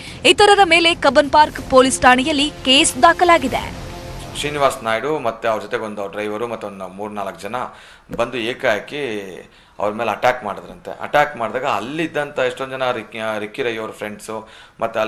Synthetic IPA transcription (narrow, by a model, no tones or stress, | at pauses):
ɐt̪ɐɾɐɾɐme̞ːle̞kɐbɐnpaːɾkpoːlisʈaːnijɐlːike̞ːsd̪aːkɐlaːɡid̪ḛʂiːniʋaːɾsnaːjɽumɐt̪ːuɐʋɾɐd͡ʒɔt̪eɡeond̪uɐʋɾɖɾɐjʋɐɾumɐt̪ːuond̪umuːɾnaːlɐkːɐd͡ʒɐnɐ | bɐnd̪ueːkaːki | ɐ̰ʋɐɾɐmeːlɐʈaːkmaːɽid̪ɐɾɐnt̪ḛʔɐ̰ʈaːkmaːɖd̪aːɡɐɐ̰lːid̪ːɐnt̪ɐeʂʈond͡ʒɐnɐɾiɾikːiɾɐjʋɐɾpʰɾeɳɖsumʔɐt̪ːu